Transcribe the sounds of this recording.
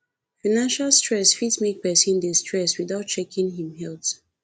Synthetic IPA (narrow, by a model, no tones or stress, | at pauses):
fanãnʃalˠstɹɛsfitmek̚pɛsĩndestɹɛswiðaʊt̚t͡ʃɛkʰĩŋɦĩmɦɛlθ